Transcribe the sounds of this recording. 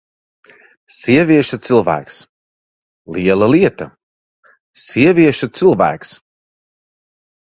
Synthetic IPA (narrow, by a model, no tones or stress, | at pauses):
siɛvʲiɛʃɐt̪sɨlˠvæ̰ːks | lˠiɛlˠɐliɛt̪ɐ | siɛvʲiɛʃɐt̪sɨlˠvæ̰ːks